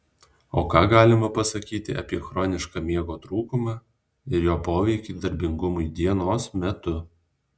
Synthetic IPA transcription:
oːkɑːɡɑːlʲɪmɐpɐsɐkʲiːt̪ʲɪ̰ʔɐ̰pʲiɛxɾoːnʲɪʃkɑːmʲiɛɡoːt̪ɾuːkʊmɑ | ɪɾjoːpoːʋʲɛɪkʲiːd̪ɐɾʲbʲɪŋɡʊmʊɪd̪ʲiɛnoːsmʲɛt̪ʊ

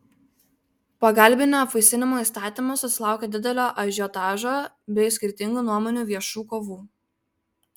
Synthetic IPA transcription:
pɐɡɐlʲbʲɪnʲːpfɐɪsʲɪnʲɪmoːiˑst̪ɑːt̪ʲimosʊsʲɪlˠɑˑʊkʲeːd̪ʲɪd̪ʲɛlʲoːʔɐʒʲot̪ɑːʒoː | bʲɛɪsʲkʲɪɾʲt̪ʲɪŋɡuːnuɔmɔːnʲuːʋʲiɛʃuːkoːʋuː

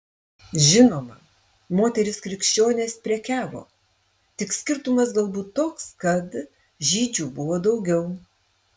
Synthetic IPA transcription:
ʒʲɪnoːmɐ | moːt̪ʲɛɾʲɪskɾʲɪkʃʲt͡ʃʲoːnʲeːspʲɾʲiɛkʲæːʋo̰ː | t̪ʲɪksʲkʲɪɾt̪ʊmɐsɡɐlˠbuːt̪ːoːkskɐt̪ | ʒʲiːd͡ʒʲuːbʊʋoːd̪ɒʊɡʲɛʊ

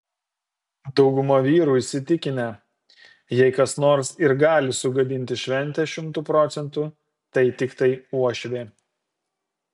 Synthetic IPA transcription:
d̪ɒʊɡʊmɐʋʲiːɾuːɪʃsʲɪt̪ʲɪkʲɪnʲɛ | jɛɪkɐsnoːɾsɪɾɡɑːlʲɪsʊɡɐd̪ʲɪnʲt̪ʲɪʃʲʋʲɛnʲt̪ʲɛʃʲɪmt̪uːpɾoːt̪sʲɛnt̪uː | t̪ɐɪt̪ʲɪkt̪ɐɪuɔʃʲʋʲeː

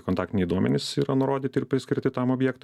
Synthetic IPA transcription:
kont̪ɑːkt̪ʲɪnʲɛɪd̪uɔmʲɛnʲɪsiːɾɐnʊɾoːd̪ʲiːt̪ʲɪɾpʲɾʲɪsʲkʲɪɾʲt̪ʲɪt̪ɐmoːbʲjɛːkt̪

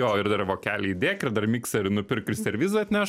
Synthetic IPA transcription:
joːɪrd̪ɐrʋoːkʲæːlʲɛɪd̪ʲeːkɪrd̪ɐrmʲiːksɐɪnʊpʲɪrkʲʊsʲɛɾʲʋʲiːzʊɐt̪ʲnʲæːʃ

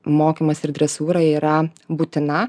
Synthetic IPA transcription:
moːkʲimɐsɪɾd̪ʲɾʲɛsuːɾɐiːɾɐbuːt̪ʲɪnɐ

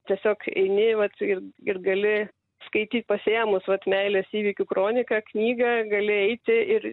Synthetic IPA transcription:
t̪ʲiɛsʲoːkɛ̰ɪnʲɪʋɐt̪ɪrɪrɡɐlʲɪ | skɐɪt̪ʲiːt̪̚ʲpɐsʲeɛmʊsʋɐt̪mʲɛɪlʲɛsiːʋʲiːkʲukɾoːnʲɪkɑknʲiːɡɐɡɐlʲɪɛɪt̪ʲɪɪr

